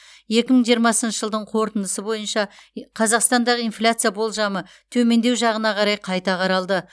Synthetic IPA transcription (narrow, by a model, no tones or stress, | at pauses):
je̞kʲɪməɴʒijəɾmɑsənʃəʒəlˠd̪əɴqʰo̞ɾt̪ənd̪əsəbo̞jənʃɑqʰɑzɑqst̪ɑnd̪ɑʁəijnflʲat̪sɨjabo̞lˠʒɑmə | t̪ʰɵme̞nd̪ewʒɑʁənɑqʰɑɾɑjqʰɑjt̪ɑqʰɑɾɑlˠd̪ə